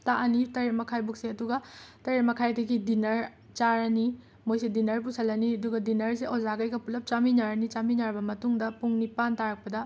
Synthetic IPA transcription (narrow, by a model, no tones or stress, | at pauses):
taʔɐnitɐɾet̚mɐkʰajbuk̚seɐduɡɐtɐɾet̚mɐkʰajdɐɡidinɐɾ | t͡ʃaɾɐni | mojsedinɐɾpusʰɐlːɐniɐduɡɐdinɐɾseʔozaɡɐjɡɐpulɐp̚t͡ʃaminaɾɐnit͡ʃaminaɾbɐmɐtuŋdɐpuŋnipantaɾɐk̚pɐdɐ